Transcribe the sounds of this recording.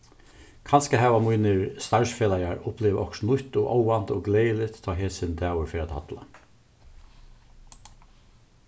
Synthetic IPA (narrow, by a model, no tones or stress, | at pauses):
kʰanskəɦɛːʋamujnəɾst̪aɹsfeːlaɪaɹʊplɪʋɔ̰ksnʊht̪ɔʔɔʊant̪ɔːɡleːjəlɪt̪ʰːɑːɦeːsɪnd̪æːwəɾfɛːɾaːt̪ha̰t̪la̰